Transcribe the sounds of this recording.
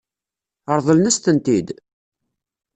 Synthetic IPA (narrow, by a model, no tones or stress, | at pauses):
əɾˤðˤəlnæst̪ənt̪id̪